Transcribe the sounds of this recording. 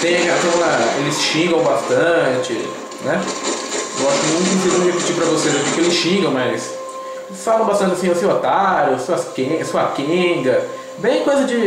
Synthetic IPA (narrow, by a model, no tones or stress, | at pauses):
t̪ẽj̃ɐɦeasɐ̃w̃aelɪsʃĩŋɡɐ̃w̃bast̪ɐ̃t͡ʃɪ | nɛ | ewaʃʊkɪmũt̪ʊĩzĩzɐ̃md͡ʒepit͡ʃipɾɐvosezakikɪelɪsʃĩɡɐ̃w̃mɐs | falɐ̃bast̪ɐ̃nt͡ʃɪɐasĩasĩʊat̪aɾʊsõɐskẽsõɐkẽɡɐ | bẽj̃kojzɐd͡ʒɪ